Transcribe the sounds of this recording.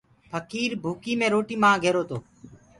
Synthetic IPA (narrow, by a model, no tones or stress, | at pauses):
pʰəkiːɾbʱuːkiːmẽːɾoːʈiːmãːɡʱeːɾoːt̪ʰoː